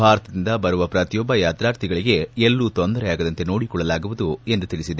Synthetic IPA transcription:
bʱaːɾɐt̪ɐd̪ind̪ɐbɐɾuʋɐpɾɐt̪ijɔbːɐjaːt̪ɾaːɾt̪iɡɐɭiɡe̞elːuːt̪ond̪ɐɾɛjaːɡɐd̪ɐnt̪e̞no̞ːɽikɔɭːɐlaːɡuʋud̪ue̞nd̪ut̪iɭisid̪e

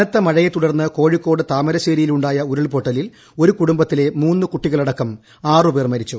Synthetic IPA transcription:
ɐnɐt̪ːɐmɐɻɐjet̪uɽɐrnːɨko̞ːɻikːo̞ːɽɨt̪aːmɐɾɐɕeːɾijiluɳɖaːjɐuɾɐɭpoʈːɐlil | o̞ɾukuɽumbɐt̪ːile̞muːnːɨkuʈːiɣɐɭɐɽɐkːɐm | aːrɨpermɐɾit͡ɕːu

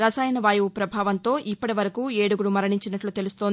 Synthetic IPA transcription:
ɾɐsaːjnɐʋaːjuːpɾɐbʱaːʋɐnt̪o̞ːʔipːɐʈiʋɐɾɐkuːeːɽuɡuɽumɐɾɐɳiɲt͡ʃinɐʈlut̪e̞lust̪oːnd̪i

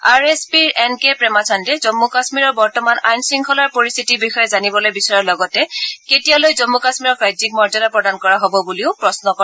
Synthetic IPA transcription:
aɹespiɹɛnkepɹɛmatʰandɛzɔmːukasmiɹɔɹbɔɹtɔmanajnsiŋkʰɔlaɹpoɹist̪ʰitibixɔjɛzanibɔlojbisɔɹalɔɡɔtɛketijalojzɔmːukasmiɹɔkɹajzik̚mɔɹzɔdapɹɔdankɔɹaɦobɔbuliʊpɹɔsnɔkɔ

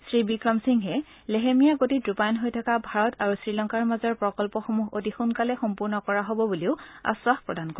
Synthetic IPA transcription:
sɹibikɹɔmsiŋɦɛ | leɦemijaɡotidɹupajnɦojtʰakabʱaɹɔtʰaɹusɹilɔŋkaɹmazɔɹpɹɔkɔlpɔxomuɦotixunkalɛxɔmpuɹnɔkɔɹaɦobɔbuliʊa̰swaxpɹɔdankɔ

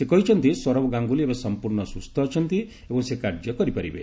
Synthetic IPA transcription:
sekɔɦit͡ʃʰɔnt̪iswɔɾɔbɔɡaŋɡuliebasɔmpuɾɳɔsust̪ʰɔːt͡ʃʰɔnt̪i | ebɔŋsekaɾd͡ʒjɔkɔɾipaɾibḛ

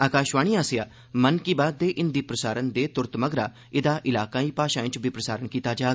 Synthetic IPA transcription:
aːkaːʃʋaːɽ̃iːaːsɪjaː | mənkiːbaːd̪d̪eːʔɪnd̪iːpɾəsaːɾənd̪eːt̪ʊɾt̪məɡɾaː | ɪd̪aːʔɪlaːkãːiːpaːʃãːɪ̃t͡ʃbʱiːpɾəsaːɾəɳkiːt̪aːd͡ʒaːɡ

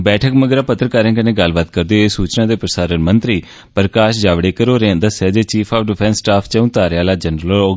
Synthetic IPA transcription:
bɛːʈʰəkməɡɾaːpət̪ːɾkaːɾə̃ːkənẽːɡəlbat̪kəɾd̪eːeːsuːt͡ʃnãːd̪eːpɾəsaːɾənmənt̪ɾiː | pəɾəkaːʃd͡ʒaːʋɽeːkəɾoːɾend̪əsɛːd͡ʒeːt͡ʃiːpʰaːfɖɪpʰɛ̃ːnsːʈaːpʰt͡ʃəũːt̪aːɾaːlaːd͡ʒənɾəllɔː

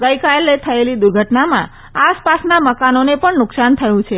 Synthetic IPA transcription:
ɡəjkaelet̪ʰəelid̪uɾɡʱəʈnamã̰ | aspasnaməkanonepəɳnʊksant̪ʰəjũt͡ʃʰe

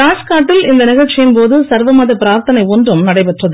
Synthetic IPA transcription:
aːskaːʈːɪlɪnd̪ɐnɪɣɐɭt͡ʃːɪjɯnpoːðɯsɐɾʋɐmaːðɐpɪɾaːɾt̪ɐnɐɪɔndrɯmnɐɽɐɪpɛʈrɐðɯ

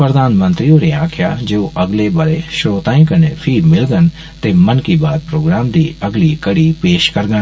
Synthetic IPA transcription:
pɾəd̪aːnmə̃nt̪ɾiõːɾeːaːkʰɪja̰d͡ʒeːoʔɐɡlebɐɾeʃɾoːt̪ãːĩkənefʰiːmɪlɡən | t̪eːmənkibaːd̪̚pɾoːɡɾaːmd̪iːɐɡlikəɽipeːʃkəɾɡən

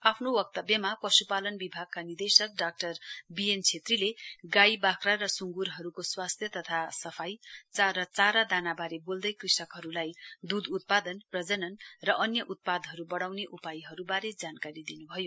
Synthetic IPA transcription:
apʰnowʌk̚t̪ʌbjʌmapʌsupalʌnbibʱaɡ̚kanird̪esʌk̚ɖak̚ʈʌrbient͡sʰet̪rileɡajbakʰrarʌsuŋɡuɾɦʌɾukoswast̪ʰjʌt̪ʌt̪ʰasʌpʰajt͡sarʌt͡saɾad̪anabaɾebold̪ʌjkrisʌkɦʌɾulajd̪ud̪ut̪̚pad̪ʌnprʌd͡zʌnʌnrʌʔʌnjʌʔut̪̚pad̪ɦʌɾubʌɽawneʔupajɦʌɾubaɾed͡zankaɾid̪inubʱʌjo

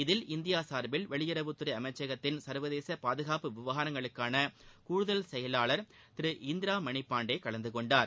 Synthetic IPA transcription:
ɪðɪlɪnd̪ɪjaːsaːɾbɪlʋɛɭɪjɪɾɐʋɯt̪ːʊɯɾɐɪɐmɐɪt͡ʃːeːɣɐt̪ːɪnsɐɾʋɐðeːsɐpaːðɯɣaːpɯʋɪʋɐɦaːɾɐŋɡɐɭɯkːaːnɐkuːɻʊðɐlsɛjɐlaːɭɐɾ | t̪ɪɾɯʔɪnd̪ɪɾaːmɐɳɪpːaːɳɖeɪkɐɭɐnd̪ɯkɔɳɖaːɾ

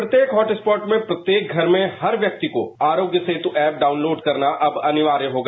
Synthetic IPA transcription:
ɾɐt̪jeːkɦɔːʈɪspɔːʈmẽpɾɐt̪jeːk̚ɡʱɐɾmẽhɐɾʋjɐk̚t̪iko̰aːɾoːɡjəset̪uʔɛːp̚ɖaːʊnloːɖkɐɾnaʔɐbɐnɪʋaːɾjəɦoːɡaː

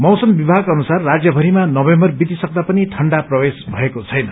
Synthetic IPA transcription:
mʌwsʌmbibʱaɡʌnusarːad͡zjʌbʱʌɾimanʌbembʌrbit̪isʌk̚d̪apʌnit̪ʰʌɳɖaprʌbesbʱʌekot͡sʰʌjnʌ

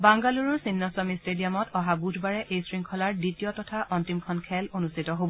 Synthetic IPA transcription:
baŋɡaluɹɔɹsinːɔsɔmistedijamɔtɔɦabudʱbaɹɛʔejsɹiŋkʰɔlaɹditijɔtɔtʰaʔɔntimkʰɔnkʰɛlonustitɔɦobɔ

